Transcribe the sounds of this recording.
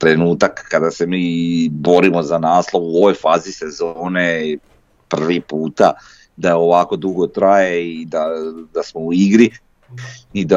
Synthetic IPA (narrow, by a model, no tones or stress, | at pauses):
t̪ɾe̞nuːt̪akːad̪ase̞miːbo̞ɾimo̞zanaːslˠo̞ʋuoʋo̞jfaːzise̞zoːne | pr̩ʋipuːt̪a | d̪aoʋaːko̞d̪uɡo̞t̪ɾajeid̪ad̪asmo̞uiɡɾi | id̪a